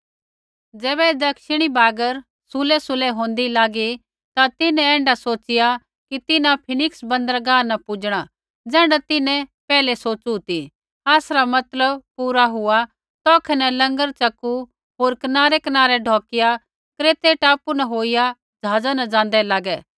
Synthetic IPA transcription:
d͡zɛːβɛeːd̪ɐkʃɪɽ̃ibaːɡəɾ | sʊlɛsʊlɛɦõːnd̪ilaːɡi | t̪at̪ɪnɛ̃ɛ̃ːɳɖasoːt͡ʃɪja | kit̪ɪnãpʰɪnɪksbɐ̃nd̪əɾɡaːnɐpʊd͡ʒɽ̃a | d͡zɛ̃ːɖat̪ɪnɛ̃pɛːlɛsoːt͡ʃut̪i | aːsɾamɐt̪ləb̚puːɾaɦʊa | t̪ɔːkʰɛnɛlɐ̃ŋɡəɾt͡ʃɐkːu | ɦoːɾkɐnaːɾɛkɐnaːɾɛɖʱɔːkɪja | kɾeːt̪eʈaːpunaɦoːija | d͡ʒaːd͡zanad͡ʒãːnd̪ɛlaːɡɛː

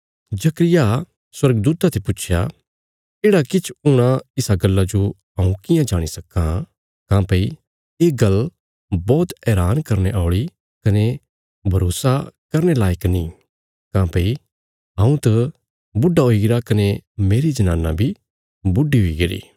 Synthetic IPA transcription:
d͡ʒɐkɾɪja | swɐɾɡd̪uːt̪at̪ʰepʊːt͡ʃʰja̰ | eːɽakɪt͡ʃʰʊɽ̃ãɪsaɡɐlːad͡ʒo | ɦɐ̃ũkɪjãd͡ʒaːɽ̃isɐkːã | kãːpei | eːɡɐl | bɔːt̪ɛːɾaːnkɐɾneʔaːɭi | kɐne | bʱɐɾoːsakɐɾñelaːjɪknĩ | kãːpei | ɦãːũt̪ɐ | bʊɖːaɦoiɡɪɾakɐnemeːɾid͡ʒɐnã̰ːnːa̰bʱi | bʊɖiɦoiɡɐɾḭː

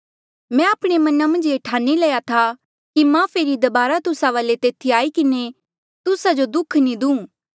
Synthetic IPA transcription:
mɛ̃aːpɽ̃emɐnamɐ̃nd͡ʒeʈʰaːnilɛjat̪ʰa | kimãːpʰeːɾid̪ɐbaːɾat̪ʊsaʋaːlet̪eːt̪ʰiaːikɪne | t̪ʊsad͡ʒod̪ʊkʰnĩd̪ũː

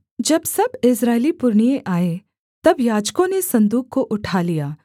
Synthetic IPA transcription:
d͡ʒɐbsɐbɪsɾaːɪlipʊɾɳijeʔaːe | t̪ɐbjaːd͡ʒkõnesɐ̃nd̪uːk̚koʔʊʈʰalijaː

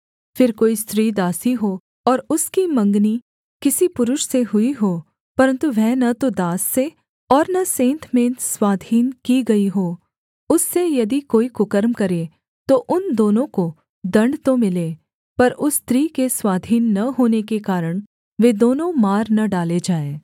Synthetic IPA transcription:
fɪɾkoːist̪ɾiːd̪aːsiɦoː | ɔːɾʊskimɐ̃ŋɡni | kɪsipʊɾʊʃseɦʊiɦoː | pɐɾə̃nt̪uʋɛnɐt̪od̪aːsːe | ɔːɾnɐsẽːnt̪ʰmẽːt̪swaːd̪ʱiːnkiɡɐiɦoː | ʊsːejɐd̪ikoːikʊkəɾmkɐɾẽ | t̪oʔʊnd̪oːnõko | d̪ɐ̃ɳɖt̪omɪlẽː | pɐɾʊst̪ɾiːkeswaːd̪ʱiːnːɐɦoːnekekaːɾəɽ̃ | ʋeːd̪oːnõmaːɾnɐɖaːled͡ʒaːẽː

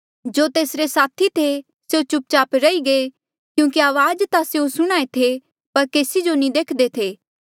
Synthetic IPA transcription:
d͡ʒoːt̪eːsɾesaːt̪ʰit̪ʰe | seot͡ʃʊp̚t͡ʃaːpɾɐiɡe | kjũːkiaːʋaːd͡ʒt̪aseosʊɽ̃aːet̪ʰe | pɐɾkeːsid͡ʒonĩd̪eːkʰd̪et̪ʰeː

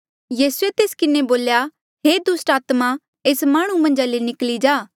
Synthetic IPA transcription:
jiːsuet̪eːskɪneboːlja | ɦeːd̪ʊsʈaːt̪mã | eːsmaːɽ̃ũmɐ̃nd͡ʒalenɪklid͡ʒaː

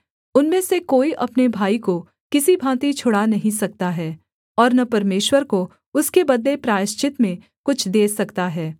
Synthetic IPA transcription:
ʊnmẽsekoːiʔɐpnebʱaːiko | kɪsibʱãːt̪it͡ʃʰʊɽanɐɦĩsɐk̚t̪aɦɛː | ɔːɾnɐpɐɾmeːʃwəɾko | ʊskebɐd̪lepɾaːɪʃt͡ʃɪt̪mẽ | kʊt͡ʃʰd̪eːsɐkt̪aɦɛː

